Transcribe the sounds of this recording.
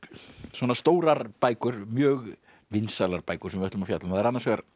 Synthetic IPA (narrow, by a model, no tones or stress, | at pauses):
swɔːnast̪oːwɾaɾpaːjkʏɾmjœːɣ | vɪnsalaɾpaːjkʏ̥ɾ̥ɛmvɪœt̪ʏmafjat̪lʏmaðɛɾanːaɾsvɛɣaɾ